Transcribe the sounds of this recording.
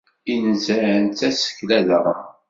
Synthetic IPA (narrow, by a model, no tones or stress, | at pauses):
inzəənt̪æsə̥çlæðəɾˤːɑ̰